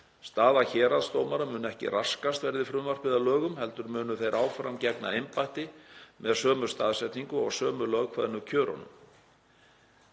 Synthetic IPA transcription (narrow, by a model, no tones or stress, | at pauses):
st̪aːðaçɛːɾaðst̪oːwmaɾamʏːnʏɛhcɪ̰raskast̪vɛɾðɪfɾʏmvar̥pɪðalœːɣʏmhɛlt̪ʏɾmʏːnʏθejɾʔaːwfɾamcɛkna̰ejmpajht̪ɪmɛðsœːmʏ̥st̪aːðsɛht̪niŋkʏɔɣsœːmʏlœɣkʰvaðɪnʏcʰœːɾɔ̰nʏ̰m